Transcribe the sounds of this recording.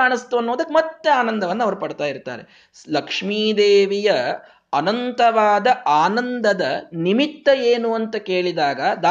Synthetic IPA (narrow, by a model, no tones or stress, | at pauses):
aːɳist̪uɐnːoːd̪ɐkːemɐt̪ːeaːnɐnd̪ɐʋɐnːɐʋɐɾupɐɽt̪aːjiɾt̪a̰ːɾe̞ | lɐkʂmiːd̪eːʋijɐː | nɐnt̪ɐʋaːd̪ɐaːnɐnd̪ɐd̪ɐnimit̪ːɐeːnuɐnt̪ɐke̞ːɭid̪aːɡɐd̪a